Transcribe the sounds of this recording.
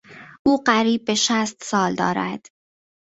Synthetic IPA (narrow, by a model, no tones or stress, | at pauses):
ʔuːɢæɾiːb̚ːeʃæst̪sɒːld̪ɒ̰ːɾæ̰d̪̥